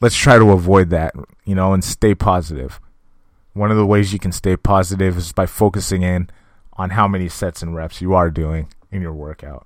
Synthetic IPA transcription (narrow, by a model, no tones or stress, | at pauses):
lətstʰɹ̥aɪɾəəvɔɪd̪̚ðæt̚jɨnoʊə̃nsteɪpʰɑzɨɾɪ̰v̥ | wʌ̃nʌvðəweɪzjɨkʰn̩steɪpʰɑzɨɾɪvɨzbaɪfoʊkɨsɪ̃ŋɪ̃n | ʔə̃nɦaʊmɛnisɛtsɨ̃n̩ɹɛpsjɨə˞dʉɪ̃ŋɨ̃njə˞wɜ˞kʰaʊt̚